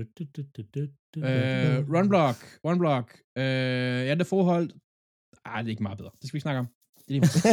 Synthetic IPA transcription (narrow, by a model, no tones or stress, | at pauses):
øʁʌnblɒɡ̥ʁɒnb̥lɒɡ̥ | øjædefɒːɦɒl̰d̥ | ad̥ee̝ɡ̥mɑ̈ːð̩ˠbeðˠɐd̥e̝sɡ̥ʋisnɑ̈ɡəɒ̽m | d̥e̥i